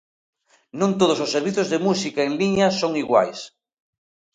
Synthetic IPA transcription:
nõnt̪oð̞ososːeɾβiθozðemusikaeŋliɲasoŋiɣwa̰js

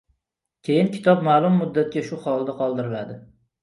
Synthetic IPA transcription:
kʲʰejɪnkʲʰɪ̥t̪ʰɒpmaːlˠʊmːʊd̪ːat̪̚kʲaʃʊχɒlˠd̪aqʰɒlˠd̪ɪɾɪlad̪ɪ

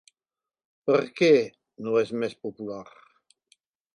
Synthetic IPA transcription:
pəɾke | nuɛzmɛspopulaɾ

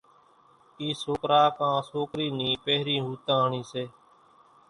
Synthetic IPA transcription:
iːsoːkɾaːkãːsoːkɾiːnĩːpeːɦɾĩːɦuːt̪ãːɦɳiːseː

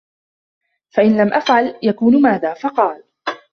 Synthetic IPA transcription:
faʔɪnlamʔafʕaljakuːnmaːðaːfɑqɑːl

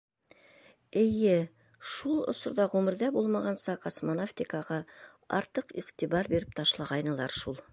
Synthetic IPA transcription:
ɘjɘ | ʃulˠŏ̰sŏɾd̪ɑʁʉmɘ̆ɾd̪æbulˠmɑʁɑnsɑqosmonaft̪ʲikɑʁɑ | ɑ̰ɾt̪ɤqḭqt̪ibɑɾbeɾɘp̚t̪ʰɑʃlˠɑʁɑjnɤ̆lˠɑɾʃulˠ

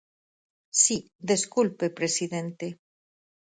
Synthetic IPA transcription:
si | ðe̞skulpe̞pɾe̞siðent̪e

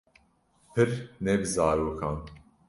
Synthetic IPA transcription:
pʰɨɾnɛbɨzaːɾoːkʰɑːn

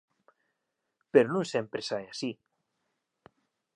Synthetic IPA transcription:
peɾonũŋsempɾesaeasi

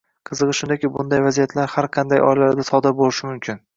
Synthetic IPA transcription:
qʰɨzɨʁɨʃʊnd̪akʲɪbʊnd̪ajvazijat̪ʰlaɾhaɾqʰɑnd̪ajɒ̰jlaɾd̪asɒd̪aɾbolɪʃɪmʊmkʲʰɪn

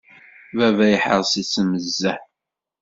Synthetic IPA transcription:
vævæjəħə̰ɾˤsit͡sːəməzːæħ

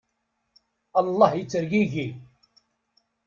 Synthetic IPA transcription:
ɑlˤːɑhjit͡sːəɾʝiʝi

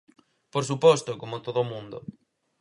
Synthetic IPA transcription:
poɾsupɔst̪okomot̪oðomũnd̪o̰

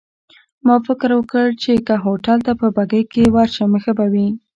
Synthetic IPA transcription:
mɑfɪkɾwəkəɭt͡ʃekaɦoʈalt̪apəbaɡəjkewaɾʃamexəbawi

